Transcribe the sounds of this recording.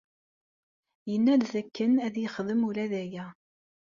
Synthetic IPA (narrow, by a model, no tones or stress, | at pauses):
jənːæðθækːənæðjəχðəmuɾæðæjæ